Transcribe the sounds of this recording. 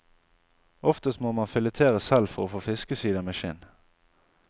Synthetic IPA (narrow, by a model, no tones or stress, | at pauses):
ʔɔft̪əst̪moːmɑnfɪlət̪ʰeːʁəsɛlfɔʁoːfoːfɪskəsiːd̪ɑmeːʃɪ̰n